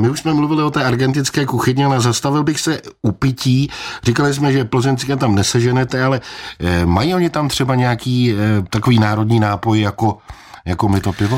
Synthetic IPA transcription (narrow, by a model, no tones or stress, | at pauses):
mɪuʃsmɛmluvɪlɪo̞t̪ɛːʔaɾɡɛnt̪ɪt͡skɛːkuxɪɲɪalɛzast̪avɪlbɪxsɛupɪciːr̝ikalɪs̬mɛʒɛplozɛnt͡sɪkɛmt̪amnɛsɛʒɛnɛt̪ɛalɛ | majiːo̞ɲɪt̪amt̪r̥ɛbaɲɛjakiːt̪ako̞viːnaːɾo̞dɲiːnaːpo̞jjako̞ | jako̞mɪt̪o̞pɪvo